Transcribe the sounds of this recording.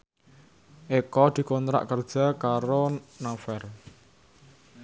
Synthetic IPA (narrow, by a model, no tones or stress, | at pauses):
ʔekɔd̪̥i̤kɔnt̪ɾa̰ʔkərd̥ʒ̥a̤kaɾonafɛr